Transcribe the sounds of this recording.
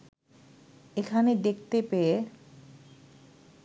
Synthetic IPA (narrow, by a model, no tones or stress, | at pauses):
ekʰaned̪ekt̪epee